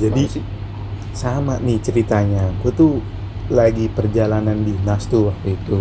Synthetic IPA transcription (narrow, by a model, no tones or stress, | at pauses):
d͡ʒadi | samaʔnɪht͡ʃəɾit̪aɲakat̪u | laɡipərd͡ʒalanandinast̪uwak̚t̪uit̪u